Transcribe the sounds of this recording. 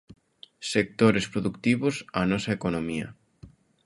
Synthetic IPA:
sek̚t̪oɾespɾoðukt̪iβosanɔsɐekonomiɐ̰

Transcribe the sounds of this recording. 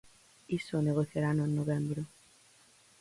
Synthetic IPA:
isoneɣoθjaɾanoenːoβẽmbɾo

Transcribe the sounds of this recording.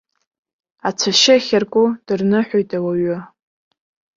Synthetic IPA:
at͡sʷʰaʃɪχʲarkʷʼʊd̥ɨrnɨħʷojtʼawaɥʊ

